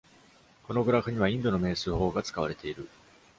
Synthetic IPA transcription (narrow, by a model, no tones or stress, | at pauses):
ko̞no̞ɡɯ̟ɾakɯ̟ɲ̟iβ̞aĩnd̪o̞no̞me̞ːsɨːho̞ːɡat͡sɨ̥kaβ̞aɾe̞t̪e̞iɾɯ̟